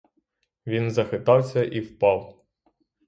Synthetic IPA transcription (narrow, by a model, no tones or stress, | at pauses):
ʋʲinzɐxɪt̪ɑwsʲɐʔiwpɑw